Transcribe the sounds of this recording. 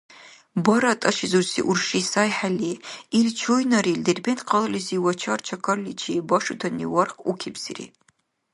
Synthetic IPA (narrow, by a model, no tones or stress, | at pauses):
bɐɾɐtʼɐʃizursḭʔʊrʂisaːjħaliːilt͡ʃʰoːjnɐɾildɨrbentqɐlɨlɨziwɐt͡ʃʰart͡ʃʰɐkʰɐrlit͡ʃʰibɐʂutʰɐnḭwɐrqukʲʰibz̥ɨ̰rḭ